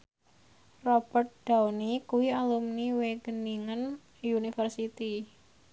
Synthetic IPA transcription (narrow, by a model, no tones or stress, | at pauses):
rɔb̥ərt̪̚d̥awnikuwialumniweɡ̥əniŋən | unifərsit̪i